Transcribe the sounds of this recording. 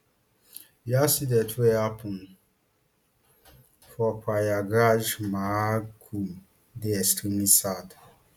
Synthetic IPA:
jasidɛtʰɛapʰũn | fɔkʰʷajaɡad͡ʒmãkʰu | deɛstʰimisad

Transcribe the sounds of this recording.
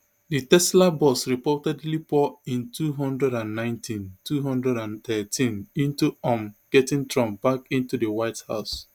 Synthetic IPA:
ditɛslabɔsɹipɔtɛdlipɔĩntuɦɔ̃ndɹɛɾãnːãɪ̃ntʰĩntʰuɦɔ̃ndɹɛɾãnt̪ɛtʰĩnĩntuɔ̃mɡ̥ɛtĩntɹɔ̃mb̥akĩntudəwaɪtha̰ʊs

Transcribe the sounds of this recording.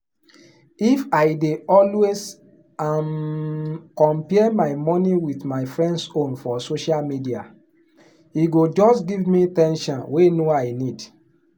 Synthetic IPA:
ifaɪdeɔlwes | am | kɔ̃mpɛɛmaɪmɔniwitmaɪfɹɛ̃ndsõnfɔsoʃalmidia | hiɡod͡ʒɔstɡivmitɛ̃nʃɔ̃nwenoaɪnid

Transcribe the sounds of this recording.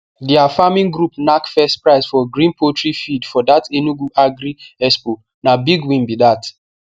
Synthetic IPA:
diafamĩnɡɾupnakfɛstpɹaɪsfɔɡɾĩnpʰotɹifidfɔdatenuɡuʔaɡɾiɛspo | nabiɡwĩmbidat

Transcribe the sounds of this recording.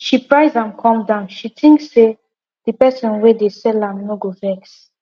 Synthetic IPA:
ʃipɹajzãmkʰɔ̃mdãʊnʃitʰĩŋksːe | d̥ipɛsɔ̃nwedesɛlãmnoɡofɛks

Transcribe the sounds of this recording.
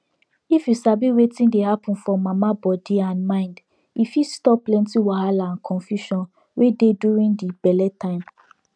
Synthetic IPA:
ifjusabiwetĩndehapɔ̃n̩fɔmamabɔdiãnmãɪ̃nd | ifistɔplɛ̃ntiwahalãnkʰɔ̃nfjuʃɔ̃n | wededuɹĩndibɛlɛtʰãɪ̃m

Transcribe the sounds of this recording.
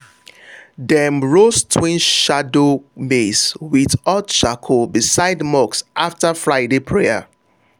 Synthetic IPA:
dɛmɹostʰwĩnʃadomeswiðɔtt͡ʃakʰobisaɪdmɔksʔaftəfɹaɪdepʰɹeə̰

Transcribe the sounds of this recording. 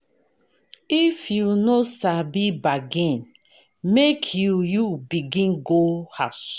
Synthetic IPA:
ifjunosabibaɡẽn | mekʰjujubiɡĩnɡohas

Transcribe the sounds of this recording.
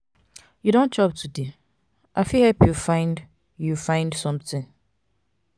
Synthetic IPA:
judõnt͡ʃʰɔp̚tʰude | ʔaɪfihɛlpʰjufãɪ̃nd | jufãɪ̃ndsɔ̃mtʰɪ̃ŋ

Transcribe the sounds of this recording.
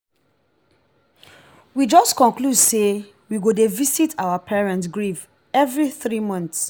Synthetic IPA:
wid͡ʒɔstkɔ̃nkludse | wiɡodevisitʰawapʰɛɹɛ̃ntsɡɹiv | ɛvɹiθɹimɔ̃nθs

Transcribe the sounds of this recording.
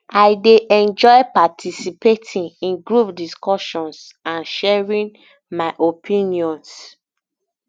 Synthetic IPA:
aɪdeʔɛ̃nd͡ʒɔjpatʰisipetʰĩnĩnɡɹupdiskɔʃɔ̃ns | ãnʃɛɹĩn | maɪʔopʰĩniɔ̃ns

